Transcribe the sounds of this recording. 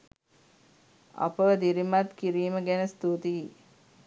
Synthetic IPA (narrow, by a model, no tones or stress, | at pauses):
a̰pəʋəd̪iɾimat̪kiɾiːməɡænəst̪ut̪i